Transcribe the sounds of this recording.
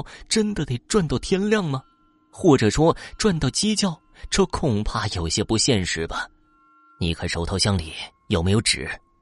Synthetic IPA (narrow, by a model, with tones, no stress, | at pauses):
ʊʈ͡ʂə˥nd̪ə˨˧t̪e˥˩ɪʈ͡ʂwa˥˧nt̪ɑ˥˩ʊt̪ʰjɛ˥nljɑ˥˩ŋmɐ˩ | xwɔ˥˩ʈ͡ʂɤ˨˩ʂwɔ˥ʈ͡ʂwa˥˧nt̪ɑ˥˩ʊt͡ɕi˥t͡ɕjɑ˥˩ʊ | ʈ͡ʂʰɤ˥kʰʊ˨˩ŋpʰa˥˩jo˨˩ʊ˧˩ɕjɛ˥pu˧˥ɕjɛ˥˧nʂɻ̩˧˥bɐ˨ | ni˨˩kʰə˧˥ʂo˧˥ʊt̪ʰʊɕjɑ˥ŋlḭ˨˩˦jo˨˩ʊme˧˥jo˧˩ʊʈ͡ʂɻ̩̰˨˩˦